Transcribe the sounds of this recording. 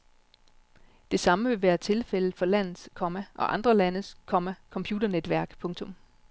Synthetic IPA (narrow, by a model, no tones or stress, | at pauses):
d̥e̝sɑ̈məʋe̝ʋæːɐt͡sʰe̝lfel̰̩ˠfɒ̽læn̰ð̩ˠskʰɒ̽mæʔɒ̽ʔɑ̈nd̥ʁɐlænəskʰɒmækʰɒ̽mpʰjuːd̥ɐned̥ʋæɐ̰ɡ̥pʰɔ̽ŋt͡sʰɔ̽m